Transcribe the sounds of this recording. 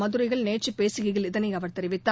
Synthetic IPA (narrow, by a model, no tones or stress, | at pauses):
mɐðɯɾɐɪɣɐɭneːʈt͡ʃːɯpeːsɯɣɪɣɪlɪðɐnɐɪɐʋɐɾt̪ɛɾɪʋɪt̪ːa